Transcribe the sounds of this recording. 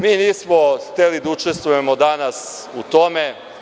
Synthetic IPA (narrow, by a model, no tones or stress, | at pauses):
miːniːsmoxt̪elid̪aut͡ʃest̪vʋuje̞mod̪anas | ut̪o̞me̞